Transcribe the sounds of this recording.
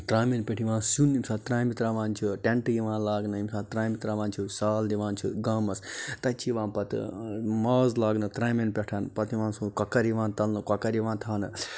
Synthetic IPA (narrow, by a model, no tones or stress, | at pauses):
t̪ɾaːmenpʲeʈʰiʋãːnsunimsaːt̪ɾaːjmit̪ɾaːʋaːnt͡ʃʰiʈeɳʈjiʋãːnlaːɡnɨimsaːt̪ɾaːmit̪ɾaːʋãːnt͡ʃʰusaːld̪iʋãːnt͡ʃʰiɡaːmɐst̪ɐt͡ʃʰiʋãːnpɐt̪ɨ̰maːzlaːɡnɨt̪ɾaːmenpʲeʈʰɐnpɐt̪iʋãːnsunkɐkɐɾiʋãːnt̪ɐlnɨkɐkɐɾiʋãːnt̪ʰaːnɨ